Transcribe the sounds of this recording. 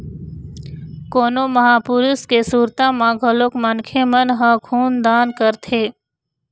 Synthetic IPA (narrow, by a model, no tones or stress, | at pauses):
koːnoːməɦaːpʊɾuskesuːɾt̪ãmãɡʱəloːkmənkʰemənɦə̃kʰuːnd̪aːnkəɾt̪ʰeː